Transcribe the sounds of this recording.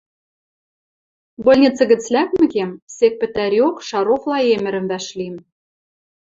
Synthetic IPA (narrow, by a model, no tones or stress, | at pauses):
bŏlʲnʲet͡sɘ̆ɣɘ̆t͡slæk̚mɘ̆kemsek̚pɘ̆t̪æɾiokʃɑɾoχlˠɑemɘ̆ɾɘ̆mvæʃlim